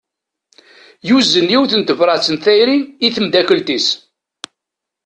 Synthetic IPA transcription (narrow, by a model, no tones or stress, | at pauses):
juzːənjiwθənt̪əvɾˤɑt͡sːənθæjɾiniθəmd̪ækəlt̪is